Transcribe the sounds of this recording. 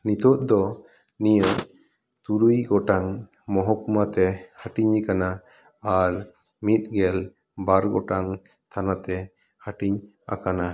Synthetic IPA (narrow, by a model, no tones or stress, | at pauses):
nit̪ɔʔ̪̚d̪ɔ | nijə | t̪uɾujɡɔʈaŋ | mɔɦɔkumat̪ɛhaʈiɲikanaː | ɾmit̪̚ˀɡɛl | baɾɡɔʈaŋ | t̪ʰanat̪ɛ | haʈiɲ | a̰kana